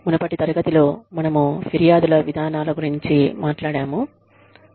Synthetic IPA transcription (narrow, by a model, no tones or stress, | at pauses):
munɐpɐʈit̪ɐɾɐɡɐt̪ilo̞ːmɐnɐmufiɾijaːd̪ulɐʋid̪ʱaːnaːlɐɡuɾiɲt͡ʃimaːʈlaːɽaːmu